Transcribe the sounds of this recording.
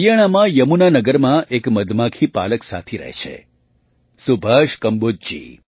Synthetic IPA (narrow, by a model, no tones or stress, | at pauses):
ijəɽ̃amãjəmunanəɡəɾmãʔekməd̪makʰipa̰ləksa̰t̪ʰiɾə̰ɦḛt͡ʃʰḛ | subʱəʃkəmbod͡ʒd͡ʒḭ